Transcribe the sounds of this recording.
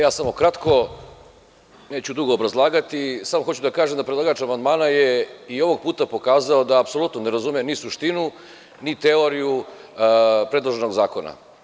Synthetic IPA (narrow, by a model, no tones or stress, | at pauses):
jaːsamo̞kɾat̪ko̞ | ne̞ːt͡ɕud̪uɡoːbɾazlˠaːɡat̪isamoxot͡ɕud̪akaːʒe̞md̪apɾed̪lˠaːɡat͡ʃamand̪maːnaje̞io̞ʋo̞ɡ̚puːt̪apo̞kaːzaod̪aːpso̞lˠut̪none̞ɾazumijemnisuʃt̪inu | nit̪eo̞ɾiju | pɾe̞d̪lˠoʒe̞no̞ɡzaːko̞na̰